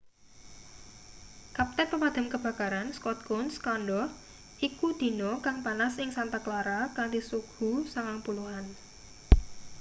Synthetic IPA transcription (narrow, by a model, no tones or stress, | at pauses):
kap̚t̪ɛnpəmad̪̥a̤mkəb̥a̤kaɾanskɔt̪̚kɔnskanɖɔ | ikud̪̥i̤nɔkaŋpanasɪŋsant̪aklaɾakaŋd̪isuɡ̥ṳsaŋaŋpuluɦan